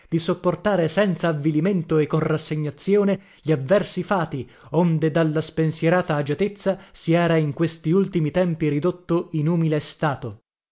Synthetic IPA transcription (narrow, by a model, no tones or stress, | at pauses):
d̪isopːort̪aːɾesɛnt̪saːvːiliment̪oekːonrasːeɲːat̪sːjoːne | ʎiavːɛrsifaːt̪i | ond̪ed̪alːaspensjeɾaːt̪aːd͡ʒat̪et̪sːasiɛːɾaiŋkwest̪iult̪imit̪ɛmpiɾid̪ot̪ːoinuːmilest̪aːt̪o